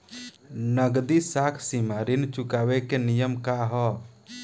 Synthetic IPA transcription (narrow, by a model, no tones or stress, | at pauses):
nəɡd̪isakʰsimaɾint͡ʃukawekenijəmkaɦɔ